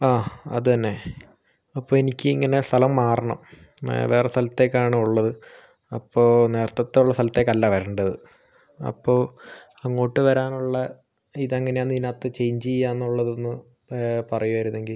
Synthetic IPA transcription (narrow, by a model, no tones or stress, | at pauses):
aːɐðɨt̪ɐnːe̞ | ɐpːoːenikʲːɨiŋːɐne̞st̪ʰɐlɐmːaːrɐɳɐm | ʋe̞ːrest̪ɐlɐt̪ːe̞kːaːɳɨuɭːɐðɨ | ɐpːo̞ːne̞ːrt̪ːɐt̪ːeuɭːɐst̪ʰɐlɐt̪ːeːkːɐlːaːʋɐɾɐːɳɖɐðɨ | ɐ̰pːoː | ɐŋːo̞ːʈːɨʋɐɾaːnuɭːɐ | iðɐŋːɐne̞aːnd̪inaːt̪ːɨt͡ɕe̞jɲd͡ʑijːaːnːuɭːɐðo̞nːɨ | pɐrɐjuʋɐɾunːe̞ŋɡil